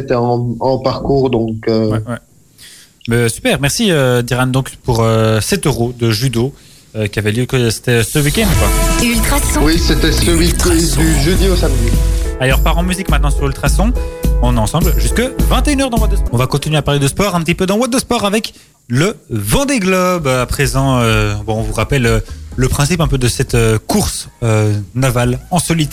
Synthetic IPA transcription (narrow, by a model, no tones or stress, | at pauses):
et̪ɛɑ̃ɑ̃paʁkuːʁd̪ɔ̃køwɛwɛ | mɛsy̥pɛʁmɛʁsiød̪iʁand̪ɔ̃kpuʁøsɛt̪øʁod̪əʒyd̪o | økʲiavɛljøkəse̥t̪ɛsəwikʲɛ̃nd̪kwaeylt̪χasɔ̃wiset̪ɛsəwikd̪yʒød̪iosamd̪ialɔʁpaʁɑ̃myzikmɛ̃t̪nɑ̃syʁylt̪χasɔ̃ɔ̃nɑ̃sɑ̃blʒyskəvɛ̃t̪eynœʁd̪ɑ̃mwad̪əsɔ̃vakɔ̃t̪inɥeapaʁled̪əspɔʁɛ̃pət̪ipød̪ɑ̃mwad̪əspɔʁavɛk | ləvɑ̃d̪eɡlɔbøapχezɑ̃øbɔ̃ɔ̃vuʁapɛløləpχɛ̃sipɛ̃pød̪əsɛt̪økuʁsønavalɑ̃sɔlit̪